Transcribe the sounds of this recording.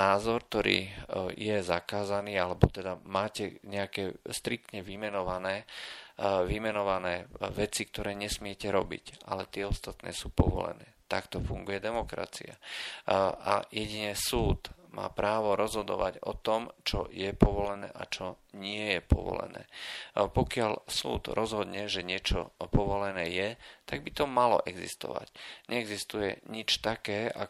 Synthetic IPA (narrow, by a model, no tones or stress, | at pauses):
naːzɔɾkt̪ɔɾḭːjɛzakaːzaniːalɛbɔt̪ɛd̪amaːcɛɲɛakɛːst̪ɾik̚t̪ɲɛʋimɛnɔʋanɛː | ʋimɛnɔʋanɛːʋɛt͡sik̚t̪ɔɾɛːɲɛsmɪɛcɛɾɔbḭcʔa̰lɛt̪ɪɛɔst̪at̪nɛ̰ːsuːpɔʋɔ̰lɛ̰nɛːt̪akt̪ɔfuŋɡujɛd̪ɛmɔkɾa̰t͡sḭa̰ | a̰jɛɟiɲɛsuːt̪mʔa̰ːpɾaːʋɔɾɔzɦɔd̪ɔʋaɟɔ̰t̪ɔmt͡ʃɔjɛpɔʋɔlɛnɛ̰ːʔat͡ʃɔ | ɲɪɛjɛpɔ̰ʋɔ̰lɛ̰nɛ̰ːpɔkɪalsṵːd̪ɾʔɔzɦɔd̪ɲɛʒɛɲɪɛt͡ʃɔ̰pɔʋɔlɛnɛːjɛt̪aɡ̚bit̪ɔmalɔ̰ʔɛɡzḭst̪ɔ̰ʋa̰cɲʔɛɛɡzist̪ujɛ̰ɲit͡ʃt̪akɛːa̰